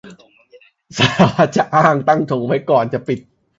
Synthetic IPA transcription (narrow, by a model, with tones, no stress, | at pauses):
sa˧˩˦aː˨˩t̪̚t͡ɕa˨˩ʔaː˥˩ŋt̪a˥˩ŋt̪ʰo˨˧˦ŋwa˦˥jkɔː˨˩nt͡ɕa˨˩pi˨˩t̪̚